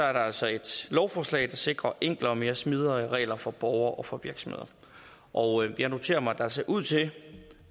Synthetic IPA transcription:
sɒ̽æɐɾ̥ɑæl̰sɒ̽e̝d̥lɒʊfɒːslɛ̰ɪd̥ɑ̈se̝ɡ̥ʁɐʔeŋ̰ɡ̥lɐɒme̝ːɐsmið̞ˠɐʁɛ̰ːlɐfɒ̽b̥ɒʊɐːʔɒ̽fɒ̽ʋiɐɡ̥sɒmhðˠɐ | ʔɒʊjæno̝t͡sʰe̝̰ːɐmɑ̈d̥ɑse̝ɐʔuð̞̰ˠt͡sʰe̝

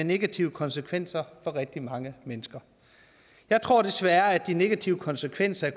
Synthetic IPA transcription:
ne̝ɡ̥æt͡sʰiʊəkʰɒ̽nsəkʰʋen̰sɐfɒ̽ʁɛɡ̥̚d̥imɑ̈ŋəmenəsɡ̥ɐ | jɑ̈ɪt͡sʰʁo̝ɐ̰d̥e̝sʋæːɐæd̥ine̝ɡ̥æt͡sʰiʊəkʰɒ̽nsəkʰʋen̰sɐæɐk

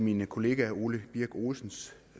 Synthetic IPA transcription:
minkʰo̝le̝ːɡ̥æuːləb̥iɐ̰ɡ̥o̝ːsn̩s

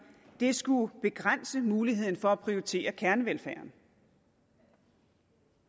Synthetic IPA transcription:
d̥e̝sɡ̥ub̥e̝ɡ̥ʁan̰səmuːliɦe̝ð̰ˠn̩fɒ̽æpʰʁioit͡sʰe̝̰ːɐkʰæɐnəʋelfæɐn

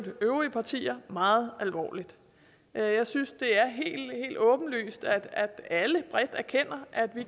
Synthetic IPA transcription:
d̥əʔøʊʁiəpʰɑ̈t͡sʰḭːɐmɑ̈ːð̞̩ˠælʋɒ̰ːlid̥ | jɑ̈ɪsynsd̥e̝æɐɦe̝̰ːl̥he̝̰ːld̥ɔ̽ːb̥n̩ly̰ːsd̥æ̥æd̥æləb̥ʁɛd̥æɐkʰen̰ɐʔæd̥ʋi

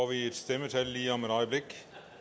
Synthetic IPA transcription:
ɑʋɪst̪ɛməʈʰɪlːiːɑməɾɑɪəblɪkː

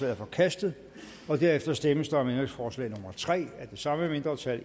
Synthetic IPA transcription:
ɛ̰ɐfɒ̽kʰæsd̥ð̩ˠ | ɒ̽d̥æɐefd̥ɐsd̥eməsd̥ɑ̈ɒ̽mend̥ʁeŋsfɒːslɛ̰ɪnomɐt͡sʰʁɛ̰ːæɐd̥e̝sɑ̈məeme̝nd̥ʁɐt͡sʰæl

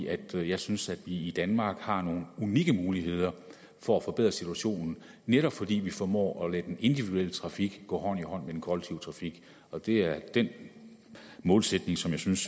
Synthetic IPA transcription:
ʔæd̥jɑ̈ɪsynsæd̥ʋiid̥ænmɑ̈ːɡ̥hɑ̈no̝ːn̩uniɡ̥əmuːliɦe̝ð̞̰ˠɐ | fɒ̽æfɒ̽b̥e̝ð̰ˠʁɐsit͡sʰuæɕo̝̰ːnn̩ | neɾ̥ɒ̽b̥fɒ̽d̥ḭːʋifɒmɔ̰ːɒlæ̥ene̝nd̥iʋiduel̰ət͡sʰʁɑ̈fiɡ̥ɡ̥ɔ̰ːɦɒ̽n̰ihɒ̽n̰medenkʰɒlɡ̥̚t͡sʰiʊt͡sʰʁɑ̈fiɡ̥ | ɒ̽d̥e̝æɐd̥en | mɔ̽ːlsed̥ne̝ŋsɒ̽mjɑ̈ɪsyns

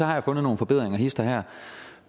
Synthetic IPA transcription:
ɒ̽hɑ̈jɑ̈ɪfɔ̽nð̩ˠno̝ːn̩fɒ̽be̝ð̰ˠʁeŋɐhisd̥ɐɦæɐ̰

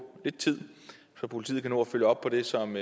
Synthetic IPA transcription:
le̝d̥̚t͡sʰið̰ˠ | sɒ̽pʰo̝lit͡sʰḭːð̩ˠkʰæno̝ɒføljəɒ̽b̥̚pʰɒ̽d̥e̝sɒ̽m

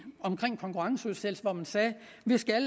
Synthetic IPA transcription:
ɒ̽mkʰʁeŋ̰kʰɒ̽ŋkʰuʁɑ̈ŋsəuðˠsel̰sʋɒmænsɛː | ʋisɡ̥æl

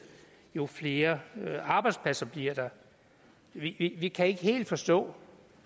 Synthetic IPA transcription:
jo̝fle̝ːɐɑ̈b̥ɑ̈ɪd̥spʰlæsɐb̥liɐ̰d̥ɑ̈ | ʋiʋiʋikʰæe̝ɡ̥əhe̝̰ːld̥fɒ̽sd̥ɔ̰̽ː

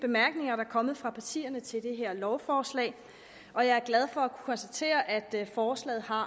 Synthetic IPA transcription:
b̥e̝mæɐɡ̥ne̝ŋɐɾɑ̈ækʰɒ̽mð̩ˠfʁɑ̈pʰæt͡sʰḭːɐnət͡sʰe̝ld̥e̝ɦeɐ̰lɒʊfɒːslɛ̰ːɪ | ʔɒ̽jɑ̈ɪæɐɡ̥læð̞ˠfɒ̽ækʰu̥kʰɒ̽nsd̥æt͡sʰe̝̰ːɐʔæd̥fɒːslɛ̰ːð̩ˠɦɑ̈

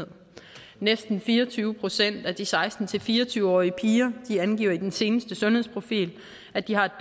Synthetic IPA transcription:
eð̰ˠ | nesd̥n̩fiːɐt͡sʰyːʊəpʰʁo̝sen̰d̥æd̥isɑ̈ɪsd̥n̩t͡sʰe̝lfiːɐɒt͡sʰyːʊəɒ̰ːiəpʰiːɐd̥iænɡ̥ḭːɐid̥ense̝ːnəsd̥əsɔ̽nhe̝̰spʰʁo̝fḭːl | æd̥ihɑ̈e̝d̥

